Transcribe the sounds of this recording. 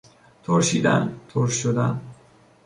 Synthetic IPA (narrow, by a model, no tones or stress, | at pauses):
t̪ʰoɾʃḭːd̪æ̰nt̪ʰoɾʃʃod̪æn